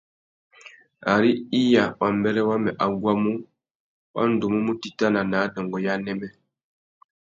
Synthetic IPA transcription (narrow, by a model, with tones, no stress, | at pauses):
a˨ɾi˦i˦ja˨wʔa˨mbɛ˦ɾɛ˦wa˦mɛ˨ʔa˨ɡwa˦mu˦ | wa̰˦n̩˨du˨mu˦mu˦ti˨ta˦na˨na˨˦dɔ˨ŋɡɔ˨ja˦nɛ˦mɛ˦